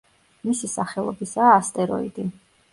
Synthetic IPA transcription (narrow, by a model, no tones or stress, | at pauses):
misisaχɛlˠɔ̰bisaːst̪ʼɛɾɔ̰id̪i